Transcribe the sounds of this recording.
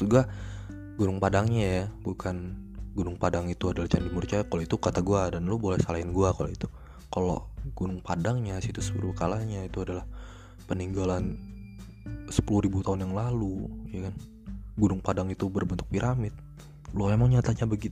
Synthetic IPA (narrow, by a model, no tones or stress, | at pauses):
suɡa | ɡunʊŋpadaŋɲajabukʰanɡunʊŋpadaŋit̪uadalaht͡ʃandimurt͡ʃaakaloit̪ukat̪aɡuadanlobolɛhsalaɪnɡuakalo̰it̪u | kalo̰ɡ̥unʊŋpadaŋɲasit̪usə̥pṵlukalaɲait̪uadalah | pəniŋɡalan | sə̥puluhɾibut̪aʊnjaŋlalujakan | ɡunʊŋpadaŋit̪ubərbənt̪ʊk̚piɾʔamɪt̪̚ | lʊmemaŋɲat̪aɲabəɡit̪